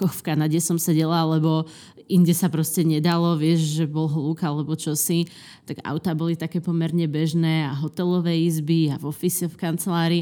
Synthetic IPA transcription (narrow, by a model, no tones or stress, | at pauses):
kɔxfkanaɟɛsɔmsɛɟɛlalɛbɔ | inɟɛsapɾɔscɛɲɛd̪alɔʋɪɛʃʒɛbɔlɦluːkalɛbɔt͡ʃɔsi | t̪aɡa̰ʊt̪aːbɔlit̪akɛːpɔmɛɾɲɛbɛʒnɛːaɦɔt̪ɛlɔʋɛːizbiavɔfisɛfkant͡sɛlaːɾi